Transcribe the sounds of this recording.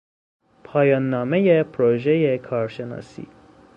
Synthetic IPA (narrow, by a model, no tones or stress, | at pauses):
pʰɒːjɒːnːɒːmejepʰɾoʒejekʰɒːɾʃenɒ̰ːsḭː